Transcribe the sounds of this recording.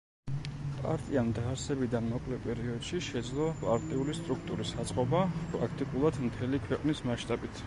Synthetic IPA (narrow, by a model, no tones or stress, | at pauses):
pʼa̰ɾt̪ʼiand̪aɾsɛbid̪anmɔkʼlɛpʼɛɾiɔd̪̥ʃiʃɛd̪zlˠɔpʼaɾt̪ʼiulist̪ʼɾukʰt̪ʼuɾisat̪sʼqʼɔbapʼɾakʰt̪ʼikʼulˠad̪mt̪ʰɛlikʰwɛqʼnismaʃt̪ʼabit̪ʰ